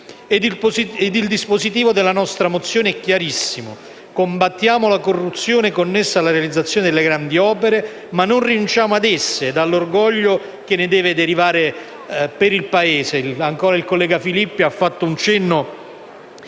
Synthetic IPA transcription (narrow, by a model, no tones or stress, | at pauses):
ed̪d̪ild̪ispozit̪̬iːvod̪elːanɔst̪ɾamot̪sːjoːneɛkːjaɾisːimo | kombat̪ːjaːmolakorːut̪sːjoːnekonːesːalːaɾealid̪zat̪sːjoːned̪elːeɡɾand̪iɔːpeɾe | manːonrinunt͡ʃaːmoad̪ɛsːed̪alːorɡɔʎːo | k̟enːɪd̪ɛːved̪eɾivaːɾe | peɾilpaeːseaŋkoːɾailkolːɛːɡafilipːiafːat̪ːount͡ʃɛnːo